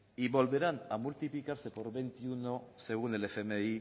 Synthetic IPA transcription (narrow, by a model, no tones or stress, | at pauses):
iβo̞lβe̞ɾanamult̪iplikaɾse̞po̞ɾβe̞nt̪iunose̞ɣ̞unelefemei